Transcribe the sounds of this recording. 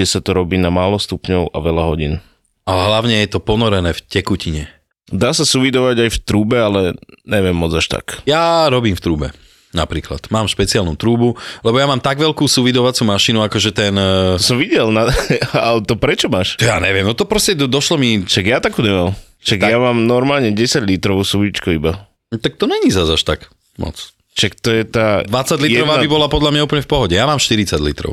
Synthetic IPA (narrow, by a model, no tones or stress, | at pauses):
ɛsat̪ɔɾɔbiːnamaːlɔst̪upɲɔʊʔa̰ʋɛlaɦɔɟḭn | alɛɦlaʊɲɛjɛt̪ɔpɔnɔɾɛnɛːfcɛkuciɲɛ | d̪aːsasuʋid̪ɔʋaɟajft̪ɾuːbɛalɛɲɛʋɪɛmːɔd͡zaʃt̪a̰kjaɾɔbiːmft̪ɾuːbɛ̰ | napɾiːkla̰t̪maːmʃpɛt͡sialnṵt̪ɾuːbulɛbɔjamaːmt̪aɡʋɛlkuːsuʋid̪ɔʋat͡suːmaʃinuakɔʒɛt̪ɛnɔsɔmʋiɟɛlnaalɛt̪ɔpɾɛt͡ʃɔmaːʃt̪ɔja̰ɲɛʋɪɛmnɔt̪ɔpɾɔscɛd̪ɔʃlɔmiʃaɡjat̪akuːɲɛmam | ʃaɡ̪jamaːmnɔɾmaːlɲɛɟɛsaɟlit̪ɾɔʋsuʋit͡ʃkuiba | t̪ak̚t̪ɔɲɛɲizazaʃt̪aɡ | mɔ̰t͡s | ʃakt̪ɔjɛt̪aːd̪ʋat͡sːaɟliɾɾɔʋabibɔlapɔd̪lamɲauːp̬l̩ɲɛfpɔɦɔɟɛjamaːmʃt̪iɾit͡saɟlit̪ɾɔ̰ʊ